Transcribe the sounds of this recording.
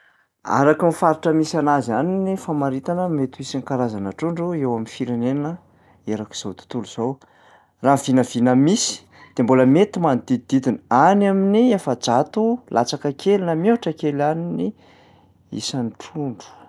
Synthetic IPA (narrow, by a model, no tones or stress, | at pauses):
a̰ɾakimifaɾiʈ͡ʂəmisanazaninifamaɾit̪anəmet̪uisinkaɾazanaʈ͡ʂuɳɖ͡ʐuewaminfiɾenennə | eɾaki̥z̥owt̪u̥t̪uluz̥ow | rav̥inəvinəmisi̥ | d̪̥emboləmet̪imanid̪id̪id̪id̪inanaminiefəd͡ʒat̪ulʔat͡sakəkʰelinamoaʈ͡ʂəkelanini | ḭsaniʈ͡ʂuɳɖ͡ʐu̥